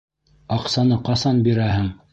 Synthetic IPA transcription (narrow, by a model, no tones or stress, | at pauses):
ɑqsɑnɤqɑsɑnbiɾæɦɘŋ